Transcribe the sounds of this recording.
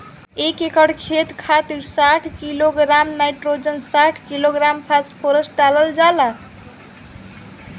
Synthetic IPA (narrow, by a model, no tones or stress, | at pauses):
ekekəɽkʰet̪kʰat̪iɾsaʈʰkiloɡɾamnajʈɾod͡ʒənsaʈʰkiloɡɾampʰaspʰoɾəsʈ̚ɖaləld͡ʒala